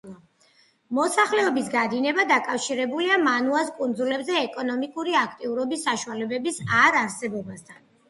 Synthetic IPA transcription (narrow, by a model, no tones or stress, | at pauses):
mɔsaχlɛɔbisɡad̪inɛbad̪akʼafʃiɾɛbuliamanuaskʼund̪zulɛbzɛːkʼɔnɔmikʼuɾiakʰt̪ʼiuɾɔbisːaʃualɛbɛbisaɾaɾsɛbɔbast̪ʰan